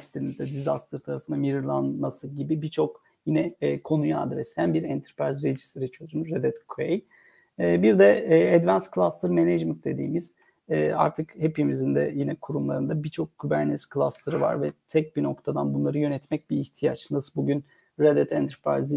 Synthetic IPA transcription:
st̪eɾind̪ɛd̪izast̪ʰɯɾt̪ʰaɾafɯnamiɾɯɾlˠanmasɯɟibibit͡ʃʰo̞k | jinɛːkʰo̞nuja̰d̪ɾɛsænbiɾɛnt̪ʰɾpɾaɾzɾe̞d͡ʒi̥st̪ʰeɾit͡ʃʰøzymɾed̪ɛt̪kʰvej | ɛːbiɾd̪ɛːɛd̪vænskʰɯlˠast̪ˠɯɾmened͡ʒmənt̪d̪e̞d̪ḭːmiz̥ | ɛːa̰ɾt̪ʰɯkhepimizind̪ɛ̰jinɛkʰuɾumlˠaɾɯnd̪abit͡ʃʰo̞kkʰːybæɾnɛskʰlˠaslˠaɾɯva̰ɾvɛt̪ʰɛc̚bino̞kt̪ʰad̪anbunlˠaɾɯjø̞nɛt̪mɛc̚biːçt̪ʰijat͡ʃnasɯbuɟyn | ɾad̪ɛt̪ʰɛnt̪ʰɛɾpɾa̰jz

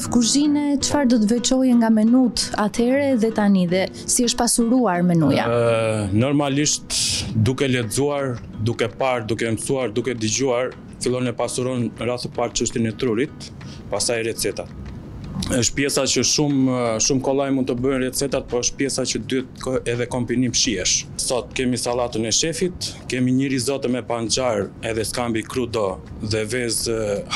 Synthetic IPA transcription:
fkuzinɛt͡ʃəfaɾd̪ɔt̪̬əvɛt͡ʃɔjɛŋɡamɛnut̪at̪ʰɛɾɛðɛt̪aniðɛ | siəʃt̪̚pasuɾuaɾmɛnuja̰nɔɾmaliʃt̪d̪ukɛlɛd͡zuaɾ | d̪ukɛpaɾd̪ukɛmsuaɾd̪ukɛd̪əd͡ʑuaɾ | filˠɔnɛpasuɾɔnɾaθəpaɾt͡ʃəʃt̪inɛt̪ɾuɾit̪̚ | pasajɾɛt̪t͡sɛt̪at̪̚ | əʃt̪̚pjɛsat͡ɕəʃumʃumkɔlˠajmund̪t̪əbənrɛt̪t͡sɛt̪at̪̚pɔəʃt̪̚pjɛsat͡ʃəd̪yt̪̚ɛðɛkɔmbinimʃiɛʃsɔt̪̚kɛmisalˠat̪ənɛʃɛfit̪kɛmiɲəɾizɔt̪əmɛpand͡ʒaɾɛðɛskambikɾud̪ɔ | ðɛvɛz

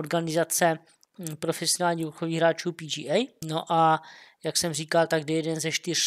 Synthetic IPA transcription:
oɾɡanɪzat͡sɛ | pɾofɛsionaːlɲiːuɾxoviːɣɦɾaːt͡ʃuːpiːd͡ʒiːʔɛjnoʔajaksɛmriːkalt̪aɡdɛjɛdɛnzɛʃt̪ɪr̝̥

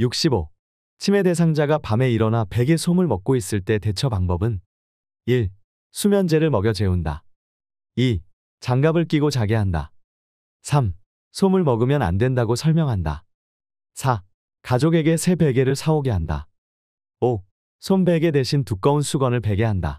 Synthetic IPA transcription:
juk̚ɕ͈ibo | t͡ɕʰime̞de̞sʰaŋd͡ʑaɡapame̞iɾʌnape̞ɡe̞sʰomɯɭmʌk̚k͈ois͈ɯɭt͈e̞te̞t͡ɕʰʌpaŋbʌbɯn | iɭ | sʰumjʌnd͡ʑe̞ɾɯɭmʌɡjʌd͡ʑe̞unda̰ | i | t͡ɕaŋɡabɯɭk͈iɡot͡ɕaɡe̞ɦanda̰ | sʰam | sʰomɯɭmʌɡɯmjʌna̰ndwe̞ndaɡosʰʌɭmjʌŋɦanda̰ | sʰa | kad͡ʑoɡe̞ɡe̞sʰe̞be̞ɡe̞ɾɯɭsʰaoɡe̞ɦanda̰ | o | sʰombe̞ɡe̞de̞ɕʰintuk͈aunsʰuɡʌnɯɭpe̞ɡe̞ɦanda̰

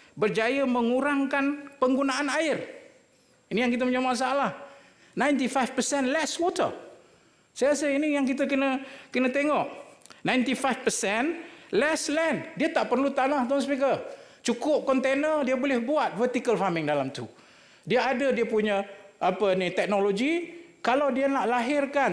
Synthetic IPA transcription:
bərd͡ʒajəməŋuɾaŋkanpəŋɡunaʔanaɪr | inijaŋkit̪əməɲamas̬aalah | nãjnt̪ifajfpəsɛnlɛswɔt̪ə̰ | sajɾasainijaŋk̬it̪̬əkənəkənə̃t̪eŋɔʔnãjnt̪ifajfpəsɛnlɛslɛndiət̪aʔpərlut̪anaht̪ons̬pik̬ət͡ʃukʊp̚kɔnt̪enədiəbolɪhbuat̪̚fərt̪ikəlfamɪŋdalamt̪u | diəadədiəpuɲəʔapənit̪ɛk̚noloɡi | kalawdiənaʔlaɦɪrkan

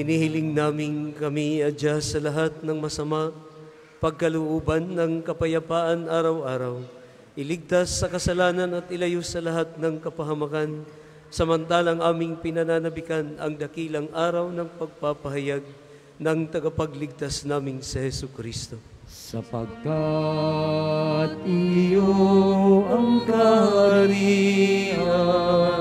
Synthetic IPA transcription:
ɪnihɪlɪŋnaːmɪŋkɐmiɐd͡ʒasɐlɐɦat̪̚nɐŋmɐsɐma | pɐɡ̚kɐlʊʔoːbɐnːɐŋkɐpɐjɐpaːʔɐnʔaːɾɐwʔaːɾɐw | ʔɪlɪɡ̚t̪asːɐkɐsɐlaːnɐnɐt̪̚ʔɪlɐjosɐlɐɦat̪̚nɐŋkɐpɐɦɐmɐkan | sɐmɐnt̪aːlɐŋʔaːmɪŋpɪnɐnaːnɐbɪkanɐ̰ŋd̪ɐkiːlɐŋʔaːɾɐwnɐŋpɐɡ̚papɐɦɐjaɡ̚ | nɐŋt̪ɐɡɐpɐɡlɪɡ̚t̪asnaːmɪnsɐhɛsʊkɾist̪o̞ | sɐpɐ̰ɡ̚ka | t̪̚ɪjo | ɐŋkɐhaɾi | a

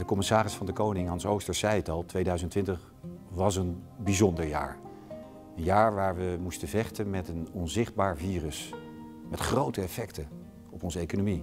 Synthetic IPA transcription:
d̥əkɔmɪsaːrɪsfɑndəkownɪŋɑnsowstəsɛjətɑlˠtʋejdœɥzəntʋɪntəχ | ʋɑsənbizɔndəɹja̰ːɹ | ənjaːɹʋaːɹʋəmustəvɛχtənmɛtənɔnzɪχd̚baːɹviːrəs | mɛtχrowtəɛfɛktə | ɔpɔnzəejkonomi

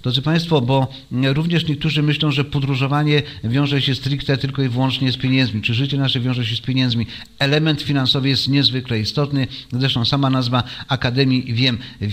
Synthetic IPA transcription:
d̪ɾɔd̪zɨpaj̃st̪fɔbɔ | ɾuvɲɛʂɲɛk̚t̪uʐɘmɘɕlɔ̃w̃ʐɛpɔd̪ɾuʐɔvaɲɛvʲjɔ̃w̃ʐɛɕɛst̪ɾikt̪ɛt̪ɘlkɔivwɔnt͡ʂɲɛspʲeɲɛnd̪zmʲit͡ʂɘʐɘt͡ɕɛnaʂɛvʲjɔ̃ʐɛɕɛspʲjeɲɛnd̪zmʲi | ɛlɛmɛnt̪fʲinansɔvɘjɛst̪ɲɛzvɘklɛist̪ɔt̪nɘzɾɛʂt̪ɔ̃w̃samanazvaakad̪ɛmʲjivʲjɛm

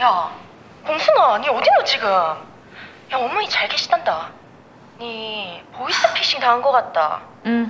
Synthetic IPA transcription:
ja | koŋsʰɯnaɲiʌdidot͡ɕiɡɯm | jaʌmːʌɲit͡ɕaɭɡeɕ͈ʰi̥danda | nipois͈ɯpʰeɕ͈ʰiŋtaɦɯnɡʌk͈at̚t͈a̰

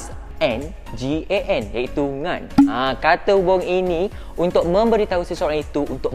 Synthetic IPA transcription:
ɛ̃n | d͡ʒieʔɛnjait̪uŋãnãkat̪əubɔŋinĩ | unt̪ʊk̚mə̃mbəɾit̪ausəsoɾaŋit̪uːnt̪ʊk̚

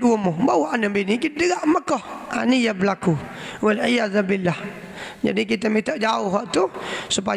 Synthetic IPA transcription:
uəmʊbawaʔanəmbinikit̪dəɡaʔməkɔha̰nijabəlaku | walʕijaðbilːah | d͡ʒa̰dik̬it̪əmit̪əʔd͡ʒaʊɦɔʔt̪usup̬a

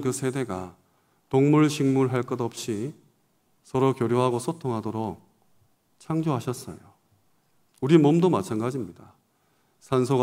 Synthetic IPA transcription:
kɯsʰe̞de̞ɡa | toŋmuɭɕʰiŋmuɭɦaɭk͈ʌdʌp̚ɕ͈i | sʰʌɾokjoɾjoɦaɡosʰotʰoŋɦadoɾok̚ | t͡ɕʰaŋd͡ʑoɦaɕʰʌs͈ʌ̰jo | uɾimʌmdomat͡ɕʰanɡad͡ʑimɲida | sʰansʰoɡ

